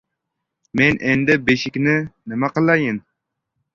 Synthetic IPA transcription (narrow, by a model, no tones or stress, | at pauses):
mɛnʔɛnd̪ɪbeʃikʲnɪnɪmɛqəlˠɑjɪn